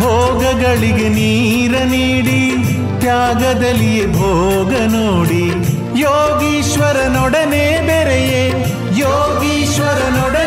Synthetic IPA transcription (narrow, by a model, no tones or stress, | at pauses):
ɦoːɡɐɡɐɭiɡeniː | ɾɐniːɽi | t̪jaːɡɐd̪ɐlːijebʱoː | ɡɐnoːɽi | joːɡiːʃʋɐɾɐnɔɽɐneːbeɾeje | joː | ɡiːʃʋɐɾɐnɔɽɐ